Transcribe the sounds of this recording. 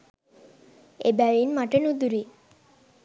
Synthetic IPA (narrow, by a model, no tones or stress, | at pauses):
ebɛɭinmaʈenud̪uɾi